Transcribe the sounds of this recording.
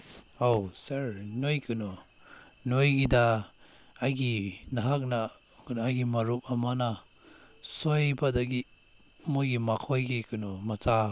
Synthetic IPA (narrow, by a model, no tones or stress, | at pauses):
owsaɾnojkɯnɔ | nojɡida | ajɡinaɦak̚na | knajɡimaɾup̚amana | sɔjbadaɡi | mojɡimakʰɔjɡikʰɯnɔmat͡sa